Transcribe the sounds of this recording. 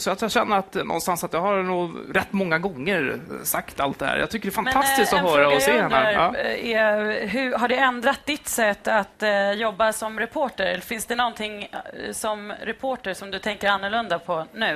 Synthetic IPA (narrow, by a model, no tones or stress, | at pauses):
sɔjat̪jaɕɛnːəɾat̪nʔɔ̰nst̪ansat̪jɑhaɾnuːɾɛt̪ːmɔŋːaɡɔŋːəɾsakt̪a̰lt̪̚d̪ɛhæ̰ːɾja̰t̪ʏkːəɖɛːfanmɛast̪ɪskt̪ɔɦœːɾaɔseːhɛnːaːɛɦɵɦaɖɛɛnd̪ɾat̪̚d̪ɪt̪ːsɛt̪ːat̪jɔbːasɔmɾɛpʰoːʈəɾɛlːəɾfɪnsd̪ɛnɔnt̪ʰɪŋsɔmɾɛpʰoːʈəʂɔmd̪ɵt̪ʰɛŋkəɾanːəɭɵnd̪apʰɔnʉ̟ː